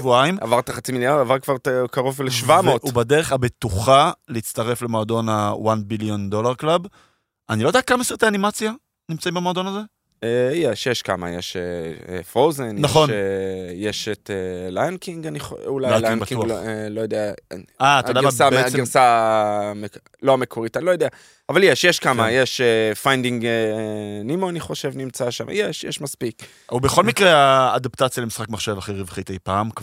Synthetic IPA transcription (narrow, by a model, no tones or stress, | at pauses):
vuaima̰vaʁt̪aχat͡similjaʁdavaʁkvaʁkaʁovleʃvamotubedeʁeχabet̪uχaleit͡staʁe̞flemoːdo̞nawanbiljo̞nd̪o̞laʁklab | ʔanilodeakamaeset̪aːnimat͡sja | nimt͡saĩmbemoːdo̞naze | ejeʃjeʃkama̰jeʃeefʁowzennaχo̞njeʃet̪elajnkiŋɡaniχulajlanbkiuallo̞jod̪eaaːtadasaaɡiʁsa | me | loamekʰoʁitanilojodea | avaljeʃjeʃkamajeʃefajndiŋɡ | nimoaniχo̞ʃe̞vnimt͡saʃa̰mʔa̰jeʃjeʃmaspik | ubeχo̞lmikʁeaːdaptat͡sjalemisχakmaχʃevaχeʁivχit̪ejpaːmk